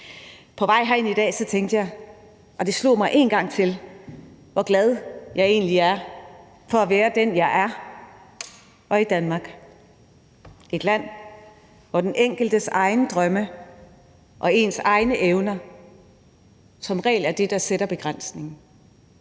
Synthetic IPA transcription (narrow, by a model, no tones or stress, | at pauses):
pʰɒ̽ʋɑ̈ɪ̰ɦæenid̥ɛ̰ːsɒ̽t͡sʰeŋɡd̥əjɑ̈ɪ | ʔɒ̽d̥e̝slo̝̰ːmɑ̈ɪʔe̝̰ːnɡ̥ɑ̈ŋ̰t͡sʰe̝l | ʋɒɡ̥lɛð̞ˠjɑ̈ɪe̝̰ːnliæɐ | fɒ̽æʋeːɐd̥enjɑ̈ɪʔæɐ | ʔɒ̽id̥ænmɑ̈ɡ̥ | e̝d̥læn̰ | ʋɒd̥enʔeŋ̰ɡ̥l̩d̥əsɑ̈ɪnəd̥ʁɶmə | ʔɒ̽e̝nsɑ̈ɪnəʔeʊnɐ | sɒ̽mʁɛ̰ːlæɐd̥e̝d̥ɑ̈seɾ̥ɐb̥e̝ɡ̥ʁɑn̰sne̝ŋn̩